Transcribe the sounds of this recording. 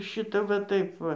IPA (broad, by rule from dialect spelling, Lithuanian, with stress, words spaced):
ˈʃʲɪtɐ ʋɐ ˈtɐɪp ˈʋɐ